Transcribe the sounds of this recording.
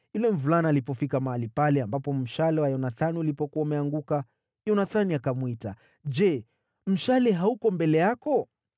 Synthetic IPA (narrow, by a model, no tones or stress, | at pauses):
ulɛm̩vulanalipɔfikamaalipalɛambapɔm̩ʃalɛwajɔnaθaniulipɔkuwaumɛaŋɡuka | jɔnaθaniakamwita̰ | d͡ʒɛ | m̩ʃalɛɦaukɔmbɛlɛjakɔ